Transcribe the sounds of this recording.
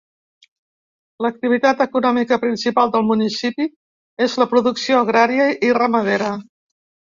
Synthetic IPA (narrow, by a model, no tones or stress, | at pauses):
lək̚t̪iβ̞it̪at̪əkunɔmikəpɾinsipalˠd̪əlˠmunisipi | ezləpɾuðuksioəɣ̞ɾaɾiəʔirəməðeɾə